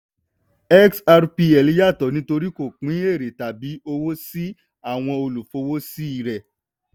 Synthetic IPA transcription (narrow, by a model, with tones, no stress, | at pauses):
ɛ˦ksa˧ɾpi˧ɛ˨li˦ja˦˨tɔ˨nĩ˦to˧ɾi˦ko˦˨k͡pĩ˨˦e˦˨ɾe˨ta˨bi˨˦o˧wo˦si˦ | a˦˨w̃ɔ̃˧o˧lu˨fo˨˦wo˦si˦i˧ɾɛ˨